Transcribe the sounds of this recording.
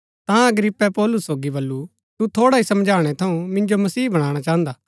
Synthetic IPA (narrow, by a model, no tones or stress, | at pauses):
t̪ãɐɡɾɪpːɛpɔːlʊsːoːɡibɐlːu | t̪ut̪ʰoːɽaɦisɐmd͡ʒʱaːɽ̃ɛt̪ʰɐũmɪ̃nd͡ʒomɐsiːbɐɽ̃aːɽ̃at͡ʃaːɦə̃nd̪aː